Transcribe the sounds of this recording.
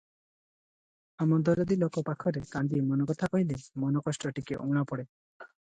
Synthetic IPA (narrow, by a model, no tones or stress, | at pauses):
amɔd̪ɔɾɔd̪ilokɔpakʰɔɾekand̪imɔnɔkɔt̪ʰakɔɦilemɔnɔkɔsʈɔʈikeʔoɽ̃apɔɽe